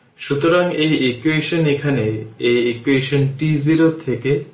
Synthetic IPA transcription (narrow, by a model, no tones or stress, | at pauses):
ʃut̪oɾaŋejekueʃonekʰaneejekueʃonʈiziɾot̪ʰeke